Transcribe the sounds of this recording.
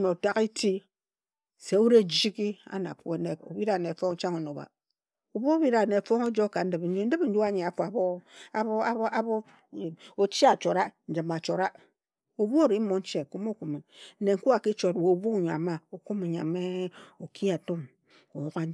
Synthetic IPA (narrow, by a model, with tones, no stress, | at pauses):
no˨ta˦ki˦ti˦ | se˨u˦ɾe˦d͡ʒi˦ki˦a̰˦na̰˨pu˦e˨ne˦ko̰˨bi˦ɾa˨ne˨fo˦ŋ˦t͡ʃa˦ŋo˨no˨ba̰˨ | o˨bo˦bi˦ɾa˨ne˨fo˦ŋo˦d͡ʒo˦ka˨n̩˦dɨ˨bn̩˦d͡ʒu˦n̩˦dɨ˦bn̩˦d͡ʒu˦a˦˨ɲe˨a˨fu˨a˨bo˦˨˦ | a˦bo˦˨ | o˨t͡ʃi˦a˨t͡ʃo˨ɾa˦n̩˨d͡ʒi˨ma˨t͡ʃo˨ɾa˦ | o˨bu˦o˦ɾi˨˦mo˨n̩˦t͡ʃe˨ku˦mo˦ku˨me˨˦ne˨ŋ̩˦ku˦a˨ki˦t͡ʃo˨two˨bu˦˨ɲ˨a̰˨ma˦o˨ku˦me˨ɲ˨a̰˨me˦o˨kʰi˦a˨to˦m | o˨wo˦ka˦